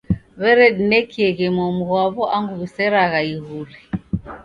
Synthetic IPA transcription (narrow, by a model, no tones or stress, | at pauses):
βɛɾɛɗinɛkiɛɣɛmɔmuɣwaβɔʔaŋɡuβisɛɾaɣaiɣuli